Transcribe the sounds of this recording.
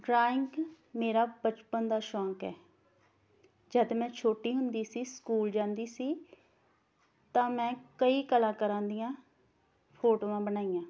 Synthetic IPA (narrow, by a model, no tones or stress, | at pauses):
ɖɾaːɪŋɡɡ | meːɾaːbət͡ʃpənd̪aːʃɔ̃ːkɛː | d͡ʒəd̪mɛ̃ːt͡ʃʰoːʈiːɦʊnd̪iːsiːskuːld͡ʒãːnd̪iːsiː | t̪ãːmɛ̃ːkəiːkəlãːkəɾãːnd̪ijãː | pʰoːʈoːãːbənaːijãː